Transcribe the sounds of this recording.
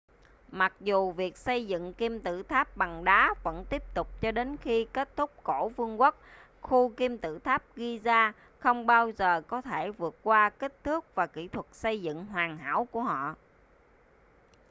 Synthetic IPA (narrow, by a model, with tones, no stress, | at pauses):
ma˨˩k̚zu˨˩vi˨˩ək̚sə˧jzɨ̰˧˨ŋki˧mt̪ɨ̰˧˨t̪ʰaː˦˥p̚ɓa˨˩ŋɗaː˨˦və̰˧˥nt̪i˦˥əp̚t̪ʊ˨˩k͡p̚t͡ɕɔ˧ɗe˨˦nxi˧ke˦˥t̚t̪ʰʊ˦˥k͡p̚ko˧˩vɨ˧əŋkə˦˥k̚ | xu˧ki˧mt̪ɨ̰˧˨t̪ʰaː˦˥p̚ɣi˧zaː˧ | xə˧wŋ͡mɓaː˧wzəː˨˩kɔ˨˦t̪ʰe˧˩vɨ˨˩ət̚kwaː˧ki˦˥k̚t̪ʰɨ˦˥ək̚vaː˨˩kḭ˧˩t̪ʰwə˨˩t̚sə˧jzɨ̰˧˨ŋɦwaː˨˩ŋɦa̰ː˧˥wku˧˩əɦɔ̰˧˨